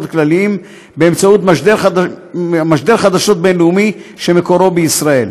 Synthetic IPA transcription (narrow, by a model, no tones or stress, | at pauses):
t̪klaliim | beemt͡saut̪maʃd̪eɾ | maʃd̪eɾχad̪aʃo̞t̪̚be̞nleumiʃe̞mekoɾo̞beisʁae̞l